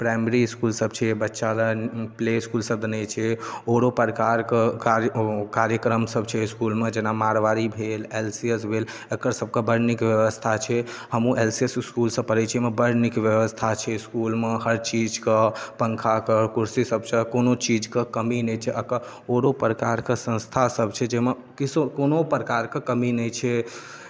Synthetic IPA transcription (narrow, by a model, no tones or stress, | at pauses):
pɾajmeɾiskulsəbt͡ʃʰɛbətːʃaləpleskulsəb̚d̪ənɛt͡ʃʰɛoɾopəɾkaɾkekaɾkaɾjəkɾəmsəbt͡ʃʰɛskulmed͡ʒenamaɾʋaɾibʱelelsiəsbʱel | əkəɾsəb̚kebəɾnikʋjəʋəst̪ʰat͡ʃʰɛhəmũʔelsiesskulsə̃pəɾɛt͡ʃʰemebəɾnikʋjəʋəst̪ʰat͡ʃʰɛiskulmeɦəɾt͡ʃid͡ʒkepəŋkʰakəkuɾsisəb̚t͡ʃʰɛkonot͡ʃid͡ʒkekəminɛjt͡ʃʰɛʔəkə | oɾopɾəkaɾkesə̃nst̪ʰasəbt͡ʃʰɛd͡ʒeme | kisokonopɾəkaɾkekəminɛjt͡ʃʰɛ